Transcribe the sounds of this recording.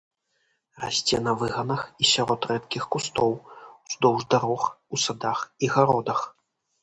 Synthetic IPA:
ra̰sʲt͡sʲɛnɐvɨɣɐnɐxisʲaɾɔt̪rɛt̪kʲixkust̪ɔwz̥d̪ɔwʐd̪aɾɔxusad̪axiɣaɾɔd̪ɐx

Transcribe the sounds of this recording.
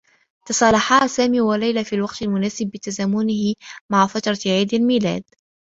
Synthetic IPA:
t̪ɑsˤɑlɑħɑːsaːmiːwalajlafiːlwɑqt̪almʊnaːsɪbːɪt̪azaːmʊnɪhɪmaʕafat̪ɾˤɑʕaːd̪almiːla̰ːd̪

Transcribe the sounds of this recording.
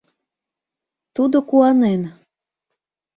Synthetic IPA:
t̪ud̪okuɑnen

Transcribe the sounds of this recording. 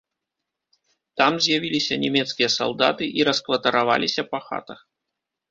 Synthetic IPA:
t̪amzʲjavʲilʲisʲɐnʲɛmʲɛt̪skʲijɐsa̰lˠd̪a̰t̪ɨʔiɾɐskvɐt̪ɐɾava̰lʲisʲɐpɐxa̰t̪ɐx

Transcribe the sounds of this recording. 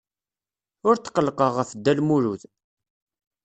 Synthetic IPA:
ʊɾt̪ːqəlːqəʁəfd̪ːælmuɾuθ

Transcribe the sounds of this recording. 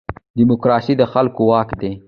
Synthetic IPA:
d̪imʊkɾɑsid̪əxalkowɑkd̪e

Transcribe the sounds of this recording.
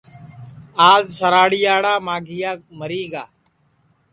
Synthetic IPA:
aːzsəɾaːɽijaːɽaːmaːɡɪjaːməɾiːɡaː

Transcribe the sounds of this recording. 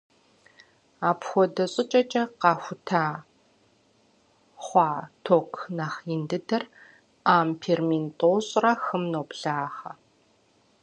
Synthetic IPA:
aːpxʷɔdɐɕʼɪt͡ʃʼɐt͡ʃʼɐqɑːxʷʊtʰaː | χʷɑːtʰoːkʰnɐχindɨdɐr | aːmpʰeːrmintʼoːɕʼrɐxɨmnoːpɬaːχɐ

